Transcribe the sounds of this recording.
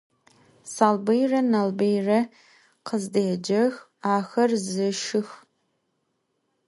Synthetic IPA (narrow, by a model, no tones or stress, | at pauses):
saːlbejrɐnalbejrɐ | qʰəzdejɛd͡ʒɐx | aːxɐrzɨʃɪx